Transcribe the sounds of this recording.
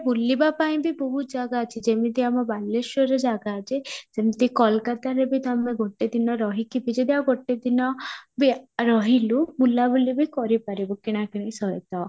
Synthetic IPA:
bulːibapaĩbibɔɦud͡ʒaɡaːt͡ʃʰid͡ʒemit̪iamɔbaleʃɔɾed͡ʒaɡaːt͡ʃʰed͡ʒemit̪ikɔlkat̪aɾebit̪ameɡʱoʈːed̪inɔɾɔɦikibid͡ʒed̪iaɡʱoʈːed̪inɔbiɾɔɦilumulːabulibikɔɾipaɾibɔkiɽ̃akiɽ̃ẽĩsɔjet̪ɔ

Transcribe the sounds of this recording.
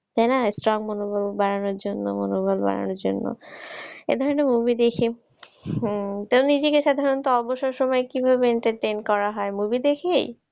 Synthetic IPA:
t̪ajnasʈɾɔŋmonobʱolbaɾanoɾd͡ʑonːomonobʱalba̰ɾa̰noɾd͡ʑo̰nːo̰ | ḛd̪ʱɔɾonemubid̪ekʰi | t̪eonid͡ʑekeʃad̪ʱaɾont̪oɔboʃoɾʃɔmɔekibʱabeeɳʈaɾʈejnkɔɾaɦɔemubid̪ekʰej

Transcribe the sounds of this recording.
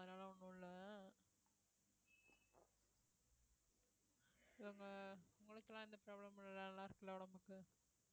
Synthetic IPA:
ɐðɐnaːlɐɔɳːũlːɐ | ɐŋɡɐʊŋɡɐɭɯt̪ːɪlːãːɪnd̪ɐpɾoːblɐmɪllːɐlːaːɪɾɯkːɯlːɐʊɽɐmbɯkːɯ

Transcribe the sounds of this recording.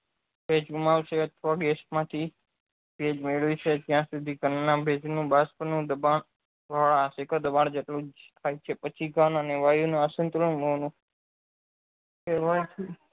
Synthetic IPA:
bʱed͡ʒɡumaʋʃeət̪ʰʋaɡɛsʈmãt̪ʰi | b̥ed͡ʒmeɭʋit͡ʃʰed͡ʒ̪jãsud̪ʱiɡənːãbʱed͡ʒnũbaspənũd̪əbaɳ | ʋʱaɭaːsekad̪əbaɳd͡ʒeʈlũd͡ʒt̪ʰajt͡ʃʰepət͡ʃʰiɡʱanəneʋajunũasənt̪ɾəɳmənũ | keʋajt͡ʃʰi

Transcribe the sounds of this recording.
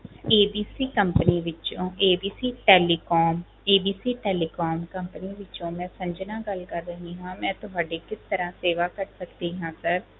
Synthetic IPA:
eːbiːsiːkəmpəniːʋɪt͡ʃõːʔeːbiːsiːʈɛːliːkɔːm | eːbiːsiːʈɛːliːkɔːmkəmpəniːʋɪt͡ʃõːmɛ̃ːsə̃ɲd͡ʒnãːɡəlkəɾːəɦĩːɦãːmɛ̃ːt̪ʊɦaːɖeːkɪst̪əɾãːseːʋaːkəɾsəkd̪iːɦãːsəɾ

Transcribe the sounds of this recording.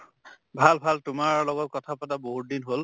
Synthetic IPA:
bʱalbʱaltʊmaɹlɔɡɔt̚kɔtʰapɔtaboɦut̚dinɦol

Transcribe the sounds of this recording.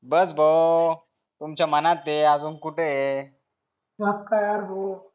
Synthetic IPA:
bəsbʱəo | t̪umt͡ɕamənat̪ːead͡zuːnkuʈʰee | ap̚kajaɾɦo

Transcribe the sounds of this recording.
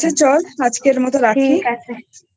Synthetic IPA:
et͡ɕɔlad͡ʑkeɾmɔt̪oɾakkʰi

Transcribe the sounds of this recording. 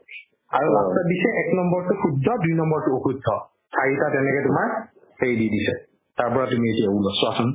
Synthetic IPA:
a̰ɹuɹastadisɛʔɛknɔmbɔɹtʊxudʱːɔdujnɔmbɔɹtʊoxudʱːɔ | sʰaɹitatɛnɛkɛtʊmaɹ | heɹdidisɛ | taɹpɔɹatumietijaulɔsɔasʊn

